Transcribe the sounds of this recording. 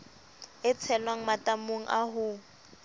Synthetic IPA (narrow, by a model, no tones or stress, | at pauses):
ɪt͡sʰɛlwaŋ̩matamoŋ̩ʔa̰ɦʊ